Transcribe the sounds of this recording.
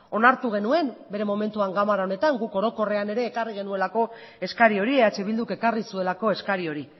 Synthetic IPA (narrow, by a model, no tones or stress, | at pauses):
o̞naɾt̪uɣ̞e̞nue̞mbe̞ɾe̞mo̞me̞nt̪uaŋɡamaɾao̞ne̞t̪aŋɡuko̞ɾo̞ko̞re̞ane̞ɾe̞ːkariɣ̞e̞nue̞lako̞ | e̞skaɾio̞ɾieat͡ʃe̞βild̪uke̞karisue̞lako̞e̞skaɾio̞ɾi